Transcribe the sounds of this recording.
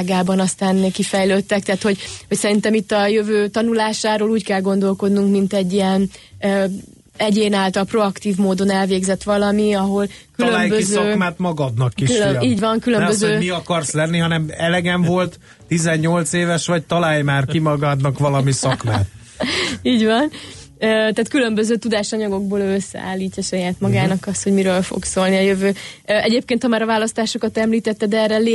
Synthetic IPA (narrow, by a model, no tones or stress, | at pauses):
ɡaːbɒnɒst̪aːnkifɛjløːt̪ːɛk̚t̪ɛːt̪ho̞ɟhocsɛɾint̪ɛmit̪ːɒjøvøːt̪ɒnulaːʃaːɾoːluːckɛlɡo̞nd̪o̞lko̞d̪nuŋkmint̪ɛɟːiɛn | ɛɟeːnaːlt̪ɒlpro̞ɒkt̪iːvmoːd̪o̞nɛlveːɡzɛt̪ːʋɒlɒmiɒɦo̞lkyløːmjbøkizsɒːkmaːt̪mɒɡɒd̪nɒkːikʃiːɟvɒŋkylønmbøzøːmiɒkɒrslɛnːiɦɒnɛmɛlɛɡɛɱvo̞lt̪ː | izɛɲːo̞lt̪seːvɛʃʋɒc̚t̪ɒlaːjmaːrkkimɒɡɒd̪nɒkʋɒlɒmisɒkmaːt̪ | iːɟvɒnøːt̪aːt̪kylø̞mbø̞zøːt̪ud̪aːʃɒɲɒɡo̞ɡ̚boːløːøsːɛ̰a̰ːlːiːcːɒʃɒjaːt̪mɒɡaːnɒkɒst̪ho̞ɟmiɾøːlfo̰ksoːlniɒjøvøːøʔɛɟeːp̚keːnt̪hɒmaːɾɒvaːlɒst̪aːʃo̞kɒt̪ɛmliːt̪ɛt̪ːɛd̪ɛːrɛle